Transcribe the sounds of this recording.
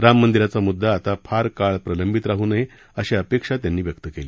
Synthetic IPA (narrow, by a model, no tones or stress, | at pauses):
ɾamːənd̪iɾat͡samud̪ːaːt̪afʰaɾkaɭpɾələmbʱit̪ɾaɦuːnaɦe | əɕeəpekʂat̪janːiːʋjək̚t̪əkeli